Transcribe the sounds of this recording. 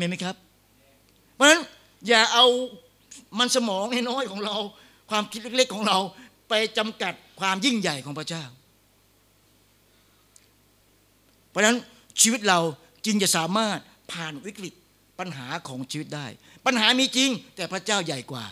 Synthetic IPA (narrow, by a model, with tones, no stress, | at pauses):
ma˧˥˩ma˦˥jkʰa˦˥p̚ʰ | ɔ˦˥na˦˥n | jaː˨˩ʔa˧w | ma˧nsa˧mɔː˨˦ŋnɛː˥˩jnɔː˥˩jkʰɔː˨˦ŋɾa˧w | kʰwaː˧mkʰi˦˥t̪̚le˥le˦˥kʰːɔː˩˦ŋɾa˧wpa˧jt͡ɕa˧mka˨˩t̪̚kʰwaː˧mji˥˩ŋja˨˩jkʰɔː˨˩˦ŋpʰɾa˥t͡ɕaː˥˩w | pʰɔ˦˥˧na˦˥n | t͡ɕʰiː˧wi˦˥t̪̚ɾa˧w | t͡ɕi˧ŋt͡ɕa˨˩saː˨˦maː˥˩t̪̚ | pʰaː˨˩nwi˦˥k̚ɾi˨˩t̪̚ | pa˧nɦaː˩˦kʰɔː˩˦ŋt͡ɕʰiː˧wi˦˥t̪̚daː˥˩j | pa˧nɦaː˩˦miː˧t͡ɕi˧ŋt̪ɛː˨˩pɾa˦˥t͡ɕaː˥˩wja˨˩jkwa̰ː˨˩